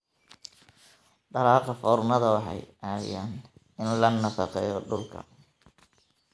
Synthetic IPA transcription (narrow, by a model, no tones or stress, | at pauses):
ɖɐɾɑːqɑfɔːrnɐðɐwɑħɑ̰jaːja̰ːn | ɪnlɐnːɐfɑqɛjɔɖʊlkʰɐ̰